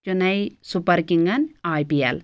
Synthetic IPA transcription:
t͡ʃunɐjsupɐɾkiŋɡɐnaːjpiɛ̰l

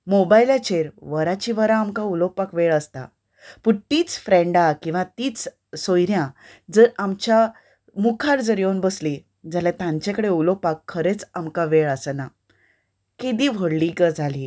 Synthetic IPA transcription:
mobajlat͡ɕeɾʋəɾat͡ɕiʋəɾaːmkaulopakʋeɭəst̪a̰ | puɳt̪iːt͡sfɾɛ̃ɳɖakĩw̃ʋãt̪iːt͡s | sojɾjãd͡zəɾamt͡ɕja | mukʰaɾd͡zəɾjonbəsli | d͡zalɛ̃t̪ãɲt͡ɕẽkəɽeulopakʰːəɾet͡samkaʋeɭəsəna | kid̪iʋʱoɽlikəd͡zʱali

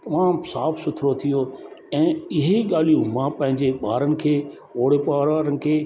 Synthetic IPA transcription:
t̪ɐmãːmsaːfsʊt̪ʰɾot̪ʰijoɛ̃ːɪɦeɠaːl̤ijũmãpɐ̃ɦɪ̃ɲd͡ʑeɓaːɾənɪ̆kʰeː | oːɽepaːɾʋaːɾənɪ̆kʰeː

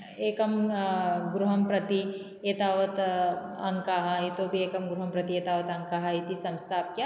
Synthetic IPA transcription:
eːkɐm | ɡɾuɦɐmpɾɐt̪i | eːt̪aːʋɐt̪ɐŋkaːɦɐit̪obʱieːkɐmɡɾuɦɐmpɾɐt̪ieːt̪aːʋɐt̪ɐ̃ŋkaːɦɐit̪isɐ̃mst̪ʰaːp̚kjaː

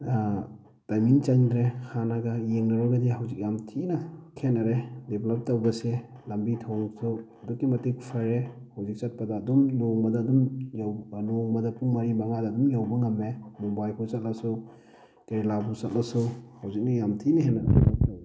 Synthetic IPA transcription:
tajmint͡ʃɐŋdɾehʰanaɡajeŋnɐɾɔɡadiɦawzik̚jamtʰinɐkʰenaɾedeblɐp̚tɐwbɐse | lɐmbitʰɔŋsuɐdukːimɐtikpʰaɾehawzik̚t͡ʃɐt̚padaːdumloŋbɐdaːdumjawnɔŋbɐdɐpuŋmaɾimaŋadaːdumjawbɐŋɐmemɔbajkʰusɐt̚lasu | teɾilabusɐt̚lasuhawzik̚najamtʰinɐhʰenaɾedḛblɐp̚tawe

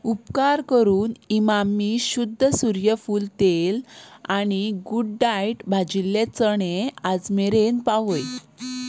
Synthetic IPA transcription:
upkaɾkəɾuːnimamːiːɕud̪ʱːəsuɾjəfuːlt̪elañiɡuɖɖajʈbʱad͡ʑilːet͡səɳead͡zmeɾenpaʋəj

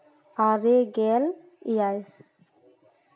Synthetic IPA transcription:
aɾeɡɛl | ijaj

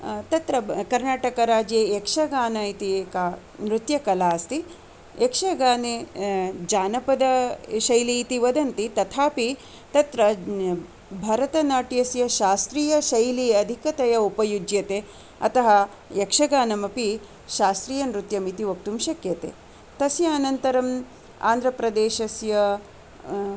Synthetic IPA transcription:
t̪ɐt̪ɾɐkɐɾnaːʈɐkɐɾaːd͡ʒeːekʂɐɡaːnɐit̪ika | nɾut̪jɐkɐlaːst̪i | ekʂɐɡaːne | d͡ʒaːnɐpɐd̪ɐʃɐjliːt̪iʋɐd̪ɐnt̪it̪ɐt̪ʰaːpi | t̪ɐt̪ɾɐ | bʱɐɾɐt̪ɐnaːʈjɐsjɐʃaːst̪ɾiːjɐʃɐjliɐd̪ʱikɐt̪ɐjɐupɐjud͡ʒjɐt̪e | ɐ̰t̪ɐɦɐ | jekʂɐɡaːnɐmɐpi | ʃaːst̪ɾiːjɐnɾut̪jɐmit̪iʋɐk̚t̪umʃɐkjɐt̪ḛ | t̪ɐsjɐːnɐnt̪ɐɾɐm | a̰ːnd̪ɾɐpɾɐd̪eːʃɐsjɐ

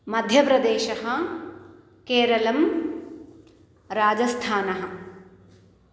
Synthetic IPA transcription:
mɐd̪ʱjɐpɾɐd̪eːʃɐɦɐ̆ | keːɾɐlɐm | ɾaːd͡ʒɐst̪ʰaːnɐɦɐ̆

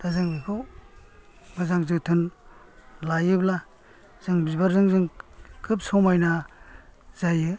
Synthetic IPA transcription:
dazɯŋkʰɯ | mɯzaŋzɯtʰɯn | lajɯbla | z̥ɯŋbizbaɾzɯŋzɯŋkʰɯp̚sɔmajna | z̥ajɯ

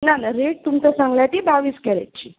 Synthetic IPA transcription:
nanaɾeʈ̚t̪umt͡sasãŋɡljat̪iːbaʋiːskɛɾa̰t͡ɕiː

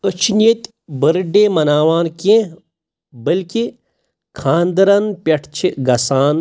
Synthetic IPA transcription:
ət͡ʃʰnet̪ | bəɾɖeːmɐnaːʋaːnkẽ | bəlki | kʰãːnd̪ɐɾɐnpʲɐʈʰt͡ʃʰiɡɐsaːn

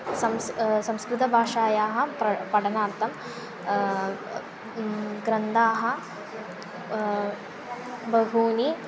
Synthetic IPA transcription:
sɐmssɐmskɾut̪ɐbʱaːʂaːjaːɦɐ̆pɐpɐɽɐnaːɾt̪ʰɐm | ɡɾɐnd̪aːɦɐ̆ | bɐɦuːni

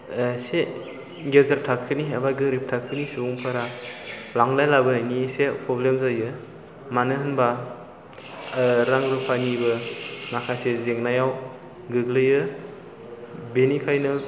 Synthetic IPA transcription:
se | ɡezaɾ̚tʰakʰːɯniabaɡɯɾip̚tʰakʰːɯnisuuŋpʰaɾalaŋlajlabɯnisepʰɾɔblemzajɯ | manɯɦɯnba | ɾaŋɾɯpʰajnibɯŋakʰasezeŋnajaw | ɡɯɡlɯjɯ | benikʰajnɯ

